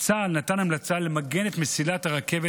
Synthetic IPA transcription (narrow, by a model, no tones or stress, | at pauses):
t͡salnatanamlat͡sale̞maɡe̞ne̞t̪mesilataʁake̞ve